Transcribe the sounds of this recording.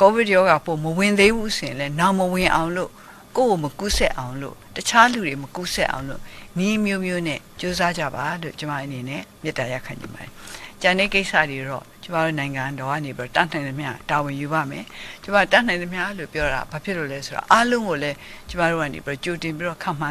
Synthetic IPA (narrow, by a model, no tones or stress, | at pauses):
kobɪtjɔɣapoməwɪ̃nd̪ebusojɪ̃lɛnaməwɪ̃ʔã̰ʊ̃lo̰ | ko̰ɡoməkusɛ̰ʔãʊ̃lo̰tət͡ɕʰaludeməkusɛʔã̰ʊ̃lo̰niʔəmjomjonɛ̰t͡ɕozad͡ʑa̰balo̰t͡ɕəma̰ʔənenɛ̰mjɪtːaja̰kʰãɲd͡ʑɪ̰̃mba̰ɾɛt͡ɕãnɛ̰keɪʔsa̰deɾɔ̰t͡ɕəmaɾo̰nãɪ̃ŋɡãdɔɡa̰nebiɔt̪an̥ãɪ̃nəmjatawɪ̃juba̰mɛt͡ɕəmat̪anãɪ̃nd̪əmjalo̰pjɔɾa̰bapʰjɪʔlo̰lɛsoɾa̰ʔalõʊ̃ŋɡolɛt͡ɕəmaɾoa̰nḛbiɾɔt͡ɕotɪ̃mpiɾɔkʰãm̥ã